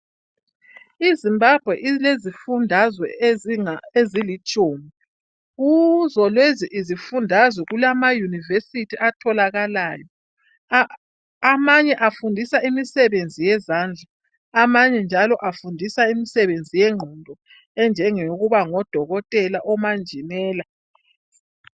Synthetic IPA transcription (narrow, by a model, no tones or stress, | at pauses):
izimbab̥ʱwɛʔilezifundʱazwɛ | ezilit͡ʃʼoːmi | ɣuzɔlweziʔizifundʱazwɛɣulamajunivesitʰiʔatʰɔlaɣalaːjɔ | amaɲɛʔafundʱisaimisɛβend͡zʱijɛzaːnd͡ɮʱa | amaɲɛnd͡ʒʱalɔʔafundʱisaimisɛβend͡zʱijɛŋ͡ǃʱɔndʱɔ | ɛnd͡ʒʱɛŋeɣuβaŋɔd̥ʱɔɣɔtʼɛlaʔɔmand͡ʒʱimɛːla